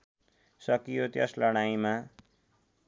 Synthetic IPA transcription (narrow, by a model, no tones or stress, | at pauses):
sʌkijot̪jʌslʌɽ̃ajma